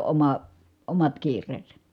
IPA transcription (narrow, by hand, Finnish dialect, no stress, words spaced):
o ʔomɑ omɑt kiːrˑeːsæ